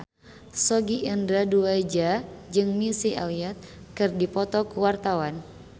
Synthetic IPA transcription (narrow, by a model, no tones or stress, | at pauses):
soɡiʔindɾaduajd͡ʒad͡ʒɨŋmisiʔa̰wiat̪̚ | kɨrdipɔt̪ɔkuwart̪awan